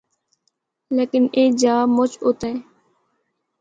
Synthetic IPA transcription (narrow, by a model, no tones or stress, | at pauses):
leːkɪneːd͡ʒaːmʊt͡ʃʰʊt̪ẽː